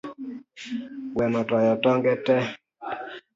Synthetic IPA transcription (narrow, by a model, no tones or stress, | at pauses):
wɛmɔtɔjɔtɔŋɡɛtɛ